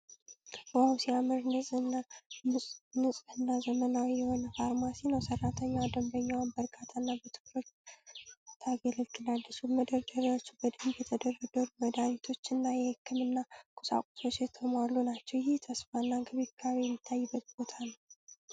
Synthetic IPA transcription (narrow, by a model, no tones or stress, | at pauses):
awsiamɨɾnɨsʼnːamɨnɨsʼhɨnːazəmənawijɛho̞nəfaɾmasinəwsərːat̪ʰəɲːawd̪əmbəɲːawnbəɾɡʰʼat̪ʰanːabət̪ʰɨ̥kːɾo̞t͡ʃː | t̪ʰaɡeləlk̪ʰʼɨlalːət͡ʃːuməd̪əɾd̪əɾiwot͡ʃːubəd̪əibɛt̪ʰəd̪ərəd̪əɾuməd̪aɾit̪ʰo̞t͡ʃːɨnːajɛhɨkːɨmɨnːakʰʼusa̰kʷʼu̥so̞t͡ʃːjɛt̪ʰəmalːunat͡ʃːɛwjɪht̪ʰəsfaɨnːaɡʰəβikʰawijɛmːit̪ʰːajːɨbːət̪̚bo̞t̪ʰanəw